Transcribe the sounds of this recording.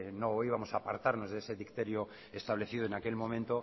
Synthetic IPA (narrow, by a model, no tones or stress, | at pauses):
noiβamo̞saːpaɾt̪aɾno̞zðeese̞ðikt̪e̞ɾjo | e̞st̪aβ̞le̞θiðoe̞nake̞lmõ̞mẽnt̪o